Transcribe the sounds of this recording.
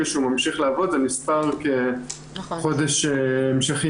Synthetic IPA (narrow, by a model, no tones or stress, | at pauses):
eʃeumamʃiχleavo̞d̪zenispaʁke | χo̞deʃeemʃeχi